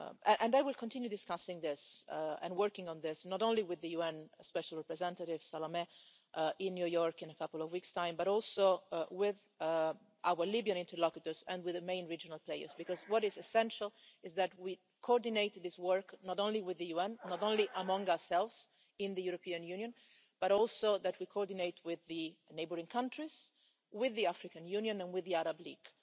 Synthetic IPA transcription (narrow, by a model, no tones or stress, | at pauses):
ɛ̃ʔɛ̃najwɪlkʰɔ̃ntɪ̃njudɪskasɪ̃ŋðɪsɛ̰̃nwɜɹkɪ̃ŋɔ̃nðɪsnɔtõnliwɪðəjuɛ̃nspɛʃalˠɹɛpɹɛzɛ̃ntaɾɪvsalamɛ | ʔʔɪ̃nːjujɔɹkɪ̃nəkʰapəl̩ɔvwikstãɪ̃mbaɾɔlˠsowɪð | ʔawəɹlibiə̃nɪ̃ntəɹlɔkjut̪əɹzɛ̰̃nwɪðəmẽɪ̃nɹid͡ʒɔnalˠpleɪə̰˞zbikɔzwɔɾɪzɛsɛ̃nʃəlɪzðæt̚wi | kʰoɔɹd̪ineɪt̪ðɪswɜɹknɔtõnliwɪðəjuɛ̃nnɔtõnliʔəmʌ̃ŋɡaəɹsɛlvz̥ | ɪ̃nðəjuɾopiãnjʉnjə̃n | b̥aɾɔlˠsoðætwikʰoɔɹdineɪtʰwɪðəneɪbəɾĩŋkʰãntʰɹiz | wɪðːiafɾikãnjunjə̃nɛ̃nwɪðːiaɾablḭːɡ̥